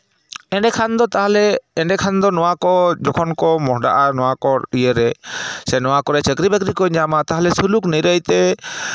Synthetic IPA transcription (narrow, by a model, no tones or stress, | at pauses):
ɛ̃ɖɛkʰand̪ɔt̪aɦalɛɛɳɖɛkʰand̪ɔnɔwakɔd͡ʒɔkʰɔnkɔmɔɦɖa̰ʔanɔwakɔɾijəɾɛsɛnɔwakɔɾɛt͡ʃəkɾibɛkɾikɔɲamat̪aɦalɛsulukniɾəjt̪ɛ